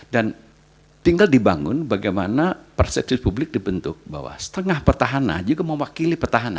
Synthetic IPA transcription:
dan | t̪iŋɡaldibaŋʊ̰nbaɡajmanapərsɛp̚sɪfpublɪk̚dibənt̪ʊ̰k̚ba̰wa̰sə̥t̪əŋahpərt̪aɦana̰nd͡ʒuɡaməwakilipərt̪aɦana

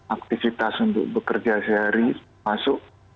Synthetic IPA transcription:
ak̚t̪ifit̪asunt̪ʊ̰k̚bəkərd͡ʒasɛɦaɾi | masʊʔ̚

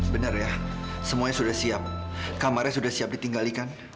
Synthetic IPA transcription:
bənərjasəmuaɲasudahsiap̚kamaɾjasudahsiap̚dit̪iŋɡalikan

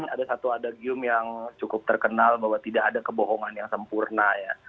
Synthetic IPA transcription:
adasat̪uadaɡiʊmjaŋt͡ʃukʊp̚t̪ərkənalbaɦwat̪idaʔadakəboɦɔŋanjaŋsəmpurnaja

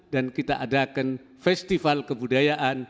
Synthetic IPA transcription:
dankit̪aʔadakan | fɛst̪ifalkəbudajaʔan

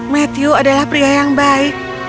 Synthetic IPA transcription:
mat̪iuadalahpɾiajaŋbaik̚

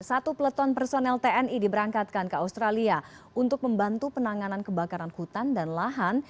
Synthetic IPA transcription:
sat̪upələt̪ɔnpərsonɛlt̪eɛnidibəɾaŋkat̪̚kankəaust̪ɾalia | unt̪ʊk̚məmbant̪upənaŋanankəbakaɾanhut̪andanlaɦan

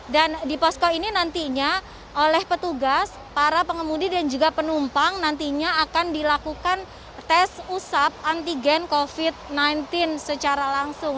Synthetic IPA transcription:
dandipɔskoininant̪iɲa | olɛhpət̪uɡas | paɾapəŋəmudidand͡ʒuɡapənumpaŋnant̪iɲaːkandilakukan | t̪ɛsusap̚ant̪iɡɛnkofit̪̚najnt̪ɪnsət͡ʃaɾalaŋsʊŋ

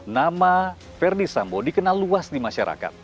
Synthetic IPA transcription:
nama | fɛrdisambodikənalːuasdimaʃaɾʔa̰ka̰t̪̚

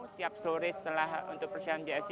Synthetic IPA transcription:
t̪iap̚soɾɪsə̥t̪əlahṵnt̪ʊk̚pərsiand͡ʒas

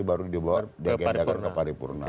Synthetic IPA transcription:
ibaɾudiboardiaɡad͡ʒakaəpaɾipṵrna̰

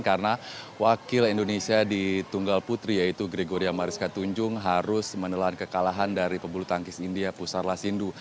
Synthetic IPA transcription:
nkarəna | wakɪlindonesiadit̪uŋɡalput̪ɾijait̪uɡɾeɡoɾiamaɾiskat̪uɲd͡ʒʊŋɦaɾʊsmənəlaankəkalaɦandaɾipəbulut̪aŋkɪsindiapusarlasindu

